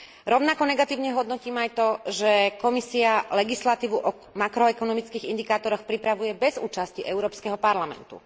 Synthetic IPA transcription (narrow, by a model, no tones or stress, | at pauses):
ɾɔʊnakɔnɛɡat̪iːʊɲɛɦɔd̪nɔciːmajt̪ɔʒɛkɔmisialɛɡislat̪iːʋuʔɔ | makɾɔɛkɔnɔmit͡skiːɣind̪ikaːt̪ɔɾɔxpɾipɾaʋujɛbɛzṵːt͡ʃasciʔɛʊɾɔːpskɛɦɔpaɾlamɛ̰nt̪ṵ